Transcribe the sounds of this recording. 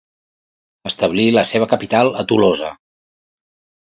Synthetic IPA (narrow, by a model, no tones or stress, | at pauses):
əst̪əβliləseβ̞əkəpit̪alˠət̪ulozə̰